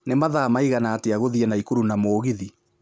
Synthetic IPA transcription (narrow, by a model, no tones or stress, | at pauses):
nemaðaːmaiɣanaːteaɣoðiɛnaikuɾunamoːɣiði